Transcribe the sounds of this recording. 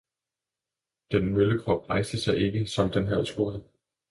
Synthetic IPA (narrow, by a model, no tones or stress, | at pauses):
d̥enmøləkʰʁɒ̽b̥̚ʁɑ̈ɪsd̥əsɑ̈ɪʔe̝ɡ̥əsɒ̽md̥enɦæð̰ˠsɡ̥o̝ɐð̩ˠ